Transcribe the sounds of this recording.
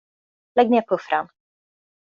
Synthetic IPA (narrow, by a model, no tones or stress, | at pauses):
lɛɡ̚mɛpʰɵfɾam